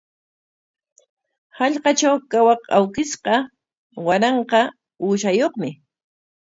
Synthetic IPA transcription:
hɑʎqɑt͡ʃawkawɑqawkɪsqɑ | wanɑɴqɑ | uːʃajoχmɪ

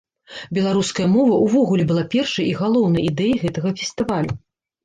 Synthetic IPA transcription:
bʲɛlˠaɾuskɐjɐmɔvɐʔuvɔɣulʲɛbɨlˠapʲɛrʂɐjiɣalˠɔwn̪ɐjid̪ɛjiɣɛt̪ɐɣɐfʲest̪ɨvalʲu

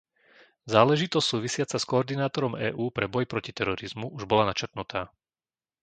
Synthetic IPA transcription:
zaːlɛʒit̪ɔstsuːʋisɪat͡saskɔːɾd̪inaːt̪ɔɾɔmɛ̰ːʔuːpɾɛbɔjpɾɔcit̪ɛɾɔɾizmuʔuʒbɔlanat͡ʃrt̪nut̪aː

